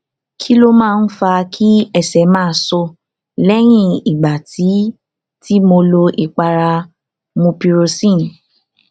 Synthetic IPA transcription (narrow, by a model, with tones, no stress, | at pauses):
kʰi˦lo˦mãː˦˧n̩˦fa˧kʰi˦ɛ˦˨sɛ˨˦mãː˦˧˦sɔ˧ | lɛ˦j̃ĩ˦˨i˨ɡ͡ba˨ti˨˦ | ti˦mo˧lo˧ʔi˨k͡pa˧ɾa˧ | mũ˧pi˧ɾo˧sĩ˦˨